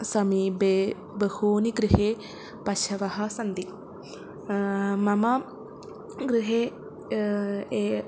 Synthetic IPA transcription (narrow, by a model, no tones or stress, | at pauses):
sɐmiːbeː | bɐhuːniɡɾiɦeː | pɐʃʰɐʋɐɦɐ̆sɐnd̪i | mɐmɐ | ɡɾiɦeː | eː